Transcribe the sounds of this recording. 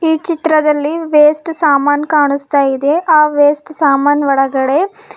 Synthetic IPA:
iːt͡ʃit̪ɾɐd̪ɐlːiʋeːsʈsaːmaːnkaːɳust̪aːjid̪e̞ʔaːʋeːsʈsaːmaːnʋɐɽɐɡɐɽe̞

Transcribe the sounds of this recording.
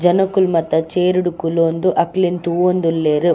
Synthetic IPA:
d͡ʒɐnɐkulmɐt̪ːɐt͡ʃeːɾuɽukuloːnd̪uʔɐklint̪uːond̪ulːeːɾu

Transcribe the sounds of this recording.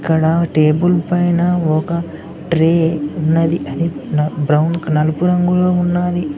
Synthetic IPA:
iikːɐɽɐʈeːbulpɐjnɐɔkɐ | ʈɾeːunːɐd̪iʔɐd̪ibɾɐwnnɐlɐpuɾɐŋɡulo̞ːunːaːli

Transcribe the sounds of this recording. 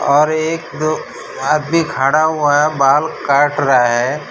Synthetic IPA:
ɔːɾeːkd̪o | aːd̪mikʰaːɽaɦuaɦɛbaːlkaːɾʈɾɐaɦɛː

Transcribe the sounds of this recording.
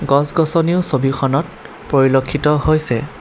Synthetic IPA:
ɡɔsɡɔsɔniosobixʰɔnɔt̚ | poɹilokʰːitɔhojsɛ

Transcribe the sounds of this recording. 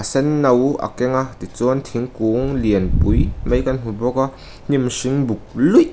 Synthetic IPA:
asɛnːɐwʔa̰kɛŋat̪it͡sɔnt̪ʰiŋkuŋliənpujmɐjkann̥ubɔka | n̥imsiŋbuk̚luj

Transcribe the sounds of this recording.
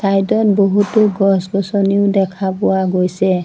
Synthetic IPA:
sajdɔn̚boɦutʊɡɔsɡɔsɔniʊdɛkʰapʊwaɡojsɛ

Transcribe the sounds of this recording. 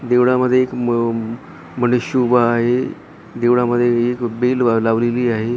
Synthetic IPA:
d̪eʋɽaməd̪ʱːjeːk | m̤əneɕubaːɦe | d̪eʋɽaməd̪ʱːjeekbellaʋleliːaɦe

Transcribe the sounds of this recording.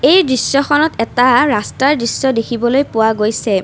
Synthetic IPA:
ejdɹisːɔxɔnɔtɛtaɹastaɹdɹisːɔdekʰibɔlojpʊwaɡojsɛ

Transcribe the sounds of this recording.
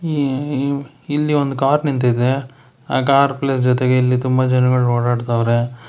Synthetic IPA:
i | ilːiond̪ukaːɾnint̪̬id̪e | aːkaːɾplesd͡ʒɔt̪eɡeilːit̪umbɐd͡ʒɐnɐɡɐɭɦoːɽaːɽt̪aːʋɾe

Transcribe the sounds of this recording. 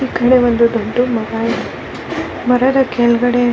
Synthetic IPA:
ikːɐɽeʋɐnd̪ud̪oɳɖumɐɡaːjid̪u | mɐɾɐd̪ɐkɛlɡɐɽe

